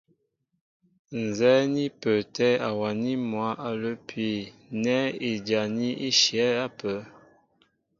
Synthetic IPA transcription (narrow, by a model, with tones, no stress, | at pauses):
n˨zɛ˦ni˦pə˨tɛ˦a˨wa˨ni˦mwa˨˦ʔa˨lə˦pʰɥe˨nɛ˦e˨d͡ʒa˨ni˦i˦ʃjɛ˨˦a˦pə˨˦